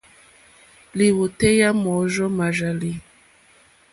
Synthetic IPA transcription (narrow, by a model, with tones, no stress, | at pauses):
li˨wo˨tɛ˦ja˦mɔ˨˦ʒɔ˦ma˨ʒa˨li˦